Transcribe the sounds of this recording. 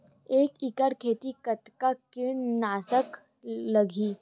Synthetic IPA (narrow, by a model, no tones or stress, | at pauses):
eːkɪkəɽkʰeːt̪ikət̪kakɪɽ̃naːsək | ləɡʱiː